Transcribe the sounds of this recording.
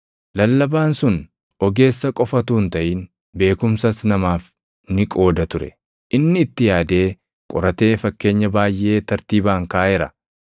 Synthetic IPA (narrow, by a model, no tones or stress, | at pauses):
lɐlːɐbaːnsʊn | ʔɔɡe̞ːsːɐkʼɔfɐt̪uːnt̪ɐʔiːn | be̞ːkʊmsɐsnɐmaːf | nɪkʼo̞ːd̪ɐt̪ʊɾɛ̰ | ʔɪnːɪːt̪ːɪjaːd̪e̞ː | kʼɔɾɐt̪e̞ːfɐkːe̞ːɲːɐbaːjʔe̞ːt̪ɐɾt̪iːbaːŋkaːʔɛɾɐ̰